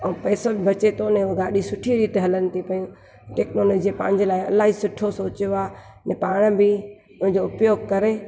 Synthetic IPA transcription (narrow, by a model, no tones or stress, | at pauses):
ɐ̃pɛːsobbɐt͡ɕet̪onẽɡaːɗisʊʈʰiɾiːt̪ɦɐlənɪ̆t̪ʰipɐjũ | ʈeːknoːloːd͡ʑiepã̰ːɲd͡ʑɪlaːiɐlaːɦisʊʈʰosoːt͡ɕjoaː | nẽpaːɽ̃bɪ | ʊ̃nɪ̃ɲd͡ʑoʊpjoːɡkɐɾe